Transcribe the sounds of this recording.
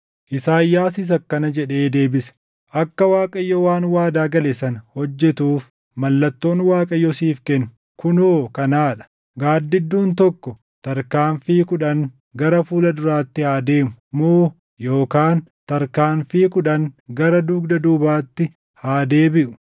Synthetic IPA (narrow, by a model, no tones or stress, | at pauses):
ʔɪsaːjːaːsɪs̬ɐkːɐnɐd͡ʒɛᶑe̞ːd̪e̞ːbɪsɛ̥ | ʔɐkːɐwaːkʼɐjːɔwaːnwaːd̪aːɡɐlɛsɐnhɔd͡ʒːɛt̪uːf | mɐlːɐt̪ːo̞ːnwaːkʼɐjːɔsiːfkɛnːʊ̥ | kʊnoːkɐnaːᶑɐ̥ | ɡaːd̪ːɪd̪ːuːnt̪ɔkːɔ | t̪ɐɾkaːnfiːkʊᶑɐŋ | ɡɐɾɐfuːlɐd̪ʊɾaːt̪ːɪhaːd̪eːmʊmoː | jo̞ːkaːnt̪ɐɾkaːnfiːkʊᶑɐŋɡɐɾɐd̪uːɡd̪ɐd̪uːbaːt̪ːɪ | haːd̪eːbɪʔʊ̥